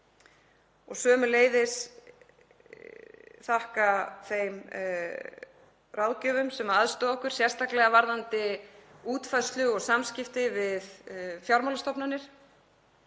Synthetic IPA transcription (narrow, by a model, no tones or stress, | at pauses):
ɔɣsœːmʏleːjðɪs | θahkaθejm | rawðcʏːvʏmsɛmaðst̪ɔɔhkʏɾ̥sjɛr̥st̪aklɛɣavaɾðant̪ɪuːt̪faðst̪lʏɣɔɣsamscɪft̪ɪvɪðfjawɾmalast̪ɔpnanːɪɾ̥